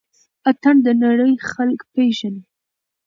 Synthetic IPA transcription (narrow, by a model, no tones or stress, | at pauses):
at̪aɳd̪ənaɽəjxalkpeʒani